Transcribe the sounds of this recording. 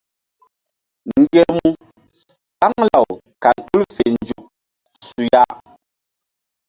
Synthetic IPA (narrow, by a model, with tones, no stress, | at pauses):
ŋ˨ɡe˦mu˦ | ta˦ŋla˨w | ka˨ntu˦lfe˨nd͡ʒu˨p̚ | su˨ja˦